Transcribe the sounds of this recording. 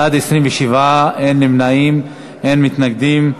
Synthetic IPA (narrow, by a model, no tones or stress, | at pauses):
ad̪esʁimveʃivaenːemnaim | enmit̪naɡd̪im